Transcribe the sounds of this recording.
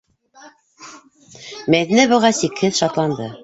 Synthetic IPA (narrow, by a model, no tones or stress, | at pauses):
mæðinæβɤ̆ʁɑsikhɘðʃɑt̪lˠɑnd̪ɤ